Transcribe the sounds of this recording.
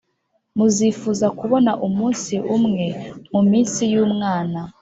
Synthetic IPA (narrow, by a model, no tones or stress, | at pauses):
muzifuzakuβo̞naʔumuːnsiʔumŋe̞mumiːnsijuːmŋaːna